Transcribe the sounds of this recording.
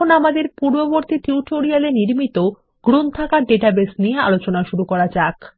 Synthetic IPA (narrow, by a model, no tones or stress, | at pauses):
onamad̪eɾpuɾboboɾt̪iʈiuʈoɾialeniɾmit̪o | ɡ̥ɾunt̪ʰakaɖeʈabesnijea̰lot͡ɕonaʃuɾukɔɾat͡ɕak